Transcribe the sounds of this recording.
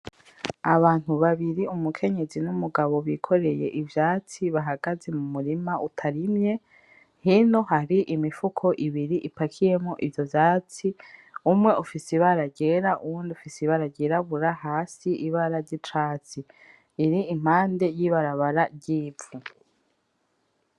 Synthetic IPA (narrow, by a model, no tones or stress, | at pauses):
aβaːn̥huβaβiɾiumukʰe̞ɲe̞zinumuɡaβo̞βikʰo̞ɾe̞je̞̰ʔivjaːt͡siβaɦaɡazemumuɾimautʰaɾimɲe̞ | hino̞haɾiʔimifukʰo̞ʔiβiɾiʔipakʰije̞moʔivjo̞vjaːt͡siumŋe̞ufisiβaɾaɟe̞ɾaṵuːndiufisiβaɾaɟeɾaβuɾahaːsiʔiβaɾaɾɟit͡ʃaːt͡siː | ɾiim̥aːnde̞jiβaɾaβaɾaɟiːu